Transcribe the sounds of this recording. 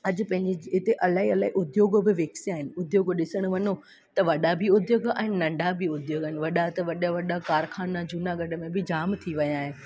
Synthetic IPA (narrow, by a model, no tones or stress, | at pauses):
ɐd͡ʑ̆pɐ̃ɦɪ̃ɲd͡ʑeɪt̪eʔɐlaːɦiɐlaːiʔʊd̪joːɡbɪʋeːksiaːɦɪnɪ̆ʊd̪joːɡɗɪsəɽ̃ʊ̆ʋɐɲo | t̪ɐʋɐɗabʱɪʊd̪joːɡa̰ːɦɪnɪnɐ̃ɳɖʱabʱɪʊd̪joːɡəɦɪnɪ̆ʋɐɗat̪ɐʋɐɗaʋɐɗakaːɾxaːnad͡ʑuːnaɡɐɖʱə̆mẽbɪd͡ʑaːmt̪ʰiʋɐjaːɦe